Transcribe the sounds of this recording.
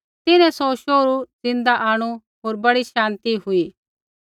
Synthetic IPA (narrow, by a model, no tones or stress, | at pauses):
t̪ɪnɛ̃sɔʃoːɾud͡zɪ̃nd̪aʔaːɽ̃u | ɦoːɾbɐɽiʃãːnt̪iɦʊiː